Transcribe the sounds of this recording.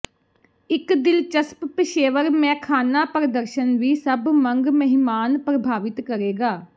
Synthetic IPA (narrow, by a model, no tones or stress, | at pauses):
ɪkd̪ɪlt͡ʃəsppɪʃeːʋəɾmɛ̃ːkʰaːnaːpɾəd̪əɾʃənʋiːsəbmə̃ŋɡməɦɪmaːnpɾəbʱaːʋɪt̪kəɾeːɡaː